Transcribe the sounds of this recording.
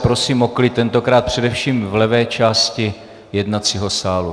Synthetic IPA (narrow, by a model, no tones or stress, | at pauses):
pɾo̞siːmoklɪt̪ɛnt̪o̞kɾaːt̪̚pr̝̥ɛdɛfʃiːmvlɛvɛːt͡ʃaːscɪ | jɛdnat͡siːɦo̞saːlu